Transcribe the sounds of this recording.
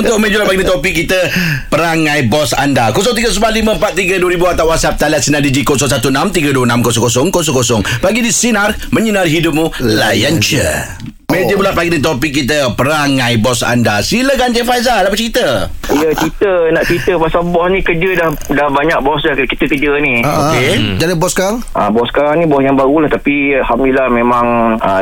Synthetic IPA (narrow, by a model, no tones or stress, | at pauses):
unʊʔmed͡ʒulaʔpaɡinĩt̪opɪkːit̪əpəɾaŋãjbɔsa̰ndakosɔŋt̪̬iɡəs̬ubalimə̃mpat̪̚t̪ːiɡəduəɾibuat̪awat̪̚sap̚t̪aliat̪sinadid͡ʒikosɔŋsat̪unãmt̪iɡəduwənãmkosɔŋkosɔŋkosɔŋkosɔŋpaɡidisinar | mə̃ɲənãrɦidʊp̚mũlajant͡ʃə̰ | mẽd͡ʒəbulatpaɡinĩt̪opɪk̚ːit̪̬əpəɾaŋãjbɔsa̰ndasiləɡant͡ʃəfajzalapat͡ʃit̪əijət͡ʃit̪ənaʔt͡ʃit̪əpasalbɔsnĩkəd͡ʒədahdahbaɲak̚bɔsakit̪əkəd͡ʒəniaʔoked͡ʒanabɔskaŋ | a̰bɔskaɾaŋnĩbɔsjaŋbaɣulaht̪apialhamdulahmẽmãŋə